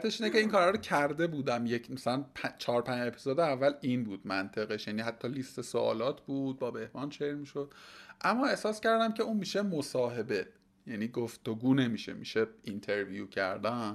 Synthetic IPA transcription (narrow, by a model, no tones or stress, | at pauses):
t̪ʰeʃiːnece̞iːŋkʰɒːɾɒːɾocʰæɾd̪e̞buːd̪æmje̞cʰmæsælænpʰæt͡ʃʰɒːɾpʰæne̞pʰi̥zoːd̪eævːæliːnbuːd̪̥mænt̪ʰe̞ɣeʃjæniːɦæt̪ʰːɒːlist̪e̞soʔɒ̰ːlɒːt̪ʰbuːd̪̥̚bɒːbe̞hbɒːnt͡ʃʰeɾmiːʃo̞d̪̥̚ʔæmːɒːe̞hsɒːscæɾd̪æmcʰe̞uːnmiːʃe̞mosɒːɦe̞be̞ | jæniːɡoft̪oɡuːne̞miːʃḛmḭʃeint̪ʰe̞ɾvijuːcʰæ̰ɾd̪æ